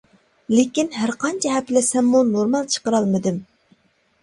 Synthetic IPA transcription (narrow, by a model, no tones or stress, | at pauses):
lekʲinɦæɾqʰɑnt͡ʃʰɛɦɛplɪsɛmːunoɾmɑlˠt͡ʃʰə̥qəɾɑlˠmɨd̪ɨm